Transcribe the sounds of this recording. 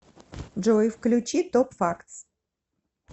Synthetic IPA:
ʐojfklʲʉt͡ɕit̪opfakt̪s

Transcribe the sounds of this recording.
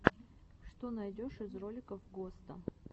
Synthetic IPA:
ʂt̪onɐjdʲoʂɨzro̞lʲɪkəfɡost̪ə̰

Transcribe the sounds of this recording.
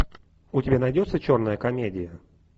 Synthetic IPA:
ʊtʲɪbʲanɐjdʲo̞t̪sət͡ɕo̞rnəjəkɐmʲedʲɪjə

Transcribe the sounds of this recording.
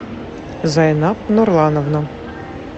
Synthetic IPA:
zɐjnɑp̚nɔrlˠɑnɔwnɔ

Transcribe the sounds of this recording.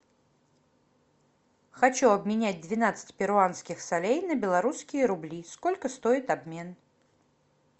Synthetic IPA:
xɐt͡ɕuɐbmʲɪnʲæt̚ʲd̪vʲɪnat̪sɨ̥tʲpʲɪɾʊanskʲɪxsɐlʲejnəbʲɪlˠɐɾuskʲɪjəɾʊblʲiskolʲkəst̪oɪt̪ɐbmʲe̞n

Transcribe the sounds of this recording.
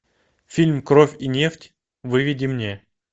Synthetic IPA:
fʲilʲmkɾofʲinʲe̞ftʲ | vɨvʲɪdʲimnʲe

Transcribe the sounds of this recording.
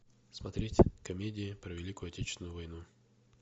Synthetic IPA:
smɐt̪ɾʲetʲkɐmʲedʲɪɪpɾəvʲɪlʲikʊjʊɐtʲet͡ɕɪ̥snʊjʊvɐjnu

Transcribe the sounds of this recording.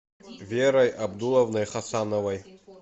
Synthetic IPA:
vʲeɾɐjabd̪ulˠovnɐjχasɑnovɐj

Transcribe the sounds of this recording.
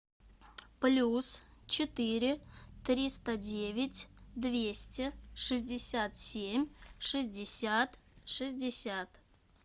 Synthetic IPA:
plʲus | t͡ɕɪt̪ɨɾʲɪt̪ɾʲist̪ədʲe̞vʲɪtʲd̪vʲesʲtʲɪʂɨzʲdʲɪsʲat̪sʲemʲʂɨzʲdʲɪsʲat̪ʂɨzʲdʲɪsʲat̪

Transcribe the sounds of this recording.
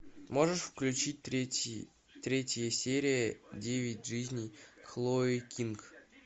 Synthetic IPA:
moʐəʂfklʲʉt͡ɕit̪̚ʲ | t̪ɾʲetʲɪjəsʲeɾʲijədʲevʲɪtʲʐɨzʲnʲijxlˠoikʲink

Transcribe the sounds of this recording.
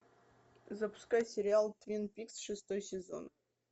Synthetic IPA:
zɐpʊ̥skajsʲɪɾʲɪalˠt̪vʲinpʲiksʂɨst̪ojsʲɪzo̰n

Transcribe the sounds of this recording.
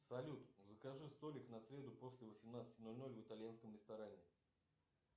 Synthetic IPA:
sɐlʲut̪zəkɐʐɨst̪o̞lʲɪknɐsʲɾʲe̞d̪ʊpo̞sʲlʲɪvəsʲɪmnat̪sə̥tʲɪno̞lʲno̞lʲvɨt̪alʲjanskəmɾʲɪst̪ɐɾanʲɪ

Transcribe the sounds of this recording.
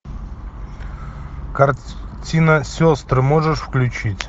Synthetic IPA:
kɐrtʲinəsʲost̪ɾɨmoʐɨʂfklʲʉt͡ɕitʲ

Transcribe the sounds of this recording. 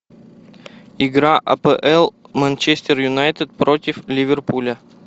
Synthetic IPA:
ɪɡɾaʔɐ̰pɛʔɛlˠmɐnʲt͡ɕesʲt̪ʲɪrjʊnajt̪ɨt̪̚pɾotʲɪflʲɪvʲɪrpulʲə

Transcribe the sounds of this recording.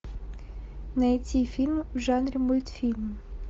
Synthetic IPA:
nɐjtʲifʲilʲmwʐanɾʲɪmulʲt̪fʲilʲm

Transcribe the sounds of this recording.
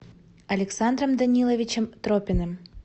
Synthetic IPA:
ɐlʲɛksand̪rɐmd̪ɐnʲilˠovʲit͡ɕɛmt̪ɾopʲɪnɨm

